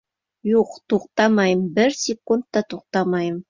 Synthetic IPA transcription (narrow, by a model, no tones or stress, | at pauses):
ʒoqt̪ʰoqt̪ɑmɑjəmbɪɾsʲekunt̪ːɑt̪ʰoq̚t̪ɑmɑjəm